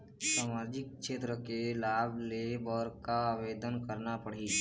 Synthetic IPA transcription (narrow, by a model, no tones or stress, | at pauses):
saːmaːd͡ʒɪk̚ʃeːt̪ɾəkelaːblebɔːɾkaaʋeːd̪ənkəɾnapəɽ̤i